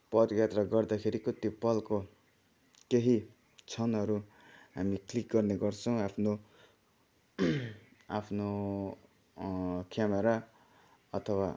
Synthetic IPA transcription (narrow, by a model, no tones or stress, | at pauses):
pʌd̪jat̪rʌɡʌrd̪akʰeɾikot̪jopʌlko | keɦi | t͡sʰʌnʌɾu | ɦamiklik̚ɡʌrneɡʌrt͡sʰʌ̃w̃apʰno | apʰno | kjameɾa | ʌt̪ʰʌwa